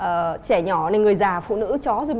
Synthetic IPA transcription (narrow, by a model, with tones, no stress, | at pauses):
ʔəː˨˩t͡ɕɛ˧˩ɲɔ˧˩na˨˩ŋɨ˨˩əjzaː˨˩fṵ˧˨nɨ̰˧˥t͡ɕɔ˨˦zo˨˧˩